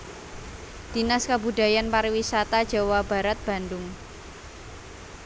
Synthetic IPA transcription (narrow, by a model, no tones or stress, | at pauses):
d̪̥i̤naskabuda̤janpaɾiwisat̪ad̥d͡ʒ̥a̤wab̥a̤ɾat̪̚b̥a̤ndʊŋ